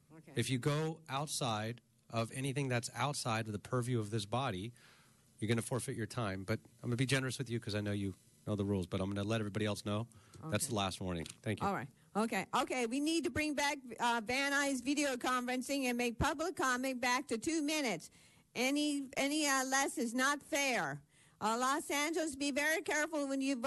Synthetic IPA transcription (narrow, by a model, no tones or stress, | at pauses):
ɨfjɨɡoʊʔaʊtsaɪɾ | ʔʌvɛniθɪ̃ŋðɨtsa̰ʊtsaɪɾʌvðəpʰə˞vjʉʌvðɪsb̥ɑɾi | jə˞ɡʌñɨfɔɹfɨt͡ʃə˞tʰãɪ̃mb̥ʌɾãɪ̃mʌ̃nəbid͡ʒɛnə˞ɨswɨðjɨkʰʌzaɪnoʊjɨ | noʊðəɹulˠzbʌɾãɪ̃mɡʌnəlɛɾɛvɹibɑɾiɛlˠsnoʊðætsðəlæst̚mɔɹnɪ̰̃ŋθæ̃ŋkjɔlˠɹaɪt̚ | ʔoʊkeɪʔoʊkʰeɪwinid̚tɨbɹɪ̃ŋbæk̚vænaɪzvɪɾioʊkʰɑ̃ɱfɹɨ̃nsɪ̃ŋɨ̃nmeɪk̚pʰʌbləkʰːɑmɛ̃n̚b̥æk̚tʰɨtʰʉmɪ̃nɨts | ʔɛniɛnilɛsɨznətfɛɹ | ʔlɔsæ̃nd͡ʒl̩ˠəzbivɛɹikʰɛɹfl̩ˠwə̃njɨv